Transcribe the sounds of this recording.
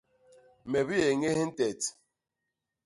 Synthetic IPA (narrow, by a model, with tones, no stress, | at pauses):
me˨bi˦e˨ŋe˦he˦n̩˦te˨t